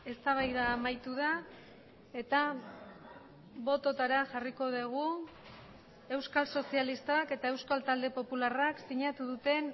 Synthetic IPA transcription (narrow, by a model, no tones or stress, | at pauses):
e̞st̪aβ̞ajðaːmajt̪uð̞a | e̞t̪a | βo̞t̪o̞t̪aɾaʝariko̞ðeɣ̞u | e̞wskalso̞sialist̪aake̞t̪ae̞wskalt̪ald̪e̞po̞pularaksiɲat̪uðut̪e̞n